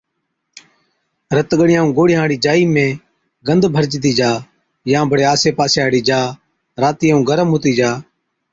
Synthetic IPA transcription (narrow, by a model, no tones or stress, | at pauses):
ɾət̪ɠəɽɪjãːũːɡoːɽɪjãːɽiːd͡ʒaːiːmẽː | ɡənd̪ʱbʱəɾt͡ʃt̪̬iːd͡ʒaː | jãːbʱəɽeːaːseːpaːsaːɽiːd͡ʒaː | ɾaːt̪iːaːũːɡəɾəmɦʊːt̪iːd͡ʒaː